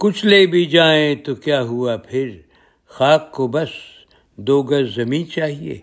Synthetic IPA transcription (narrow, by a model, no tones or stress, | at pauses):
kʊt͡ʃʰleːbʱid͡ʒaːẽt̪okjaːɦuapʰɪɾ | xaːkːobɐs | d̪oːɡɐɾzɐmĩːnt͡ʃaːɦiḛː